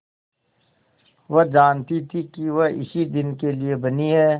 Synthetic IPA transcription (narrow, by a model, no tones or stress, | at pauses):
ʋɐd͡ʒaːnt̪it̪ʰikiʋɐɪ̰sid̪ɪnkeliebɐniɦɛː